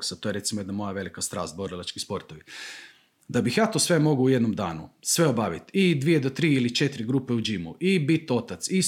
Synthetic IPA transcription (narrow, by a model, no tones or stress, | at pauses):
ksat̪o̞je̞ɾe̞t̪simojed̪namo̞jaʋe̞likast̪ɾa̰ːst̪̚boɾilˠat͡ʃkispo̞ɾt̪oʋi | d̪abixjaːt̪o̞sʋe̞mo̞ɡuːje̞d̪nomd̪aːnṵsʋe̞obaʋit̪id̪ʋijed̪ot̪ɾiːilit͡ʃe̞t̪ɾiɡɾupe̞ud͡ʒimṵʔibit̪o̞t̪at̪si